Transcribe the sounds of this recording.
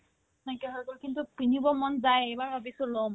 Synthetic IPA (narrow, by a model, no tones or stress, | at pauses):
najkɛɦɔɹkɔlkintupinibɔmɔnzajejbaɹɔbisɔlɔm